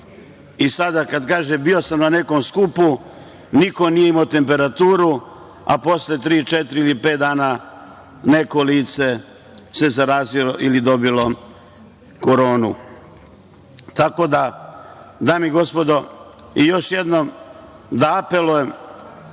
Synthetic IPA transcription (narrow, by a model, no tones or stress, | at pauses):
isad̪akad̪kaːʒembio̞samnane̞ko̞mskupu | niko̞nijeimaot̪e̞mpe̞ɾat̪uːɾu | a̰po̞slet̪ɾiːt͡ʃet̪ɾiilipe̞ːt̪̚d̪aːna | ne̞ko̞liːt̪se̞ | se̞zaɾaːziloʔilid̪o̞bilo̞ | ko̞ɾo̞ːnu | t̪ako̞d̪a | d̪amiɡo̞spo̞d̪o̞ | ijo̞ʃje̞d̪no̞m | d̪aape̞lujem